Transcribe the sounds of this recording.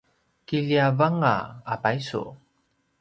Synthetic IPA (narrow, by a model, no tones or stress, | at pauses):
kiʎiavaŋa̰apajsṵ